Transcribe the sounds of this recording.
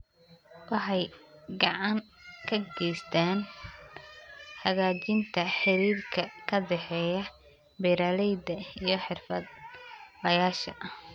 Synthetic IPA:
wɑħɑjɡɑʕɑŋ | kʰɐɡɛjst̪ʰaːn | hɐɣaːt͡ʃɪnt̪ʰɐħɪɾiːrkʰɐkʰɐd̪ɛħɛːjɐ | bɛɾaːlɛjd̪ɐijɞħɪrfɐ̰d̪lɐjaːʃɐ̰ʔ

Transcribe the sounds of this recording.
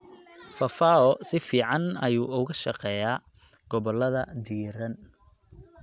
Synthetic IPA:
fɐfaːɔsɪfiːʕɑnɐjuːʊɣɐʃɑqɛːjaː | ɡ̥ɔβɔlɐðɐd̪iːɾɐn

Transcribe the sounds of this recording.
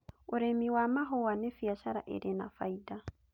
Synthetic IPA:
oɾemiwamaɦɔwanefiaʃaɾa̰ʔḛɾena̰faida

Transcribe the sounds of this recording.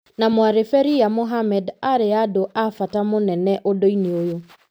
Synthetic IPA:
namwaɾefɛɾiamoɦamɛdaɾeadoʔafatamonɛnɛʔodoineojo

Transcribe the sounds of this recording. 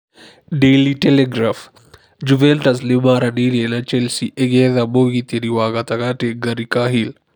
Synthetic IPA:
ɖeliʈeleɡɾaːf | d͡ʒuʋeɳʈɐs̬limaɾɐnilenat͡ʃelsiʔeɡeðamoːɡit̪eɾiwaːɡɐt̪ɐkaʈeɡɐɾikaɦil

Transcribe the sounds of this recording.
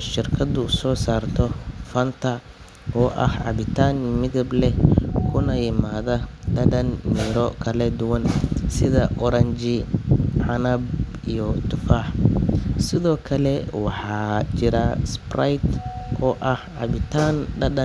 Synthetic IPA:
ʃɪrkʰɐd̪ʊʊsɔːsaːrt̪ʰɔfɐnt̪ʰɐ | ʔɔːʔɐhʕɑ̰βɪt̪ʰaːnmɪɣɐblɛkʰʊnɐjɪmaːðɐɖɐɖɐnmiːɾɔkʰɐlɛd̪ʊwɐnsɪðɐʔɔɾɐnt͡ʃɪʕɑnɐb | ijɔt̪ʰʊfaːħ | sɪðɔːkʰɐlɛwɑħɑːt͡ʃɪɾɐsprajt̪ʔɔːʔɐhʕɑ̰βɪt̪ʰaːnɖɐɖɐ

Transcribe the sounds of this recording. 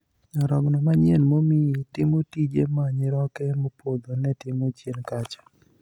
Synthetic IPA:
ɲɔɾɔɡnɔmaɲjenmomietɪmotid͡ʒemaɲɪɾɔkɛmopʰod̪onɛtɪmot͡ʃjenkat͡ʃɔ̥

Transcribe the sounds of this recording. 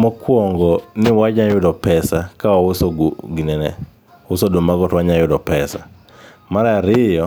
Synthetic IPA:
mɔkwɔŋɡɔnɪwaɲajʊdɔpɛsakawaʊsɔɡɡinɛnɛ̰ | wʊsɔdomaɡɔtwaɲajʊdɔpɛsa̰ | maɾaɾɪjɔ

